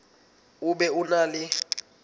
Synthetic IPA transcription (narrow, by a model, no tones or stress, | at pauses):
uɓɛunaːlɪ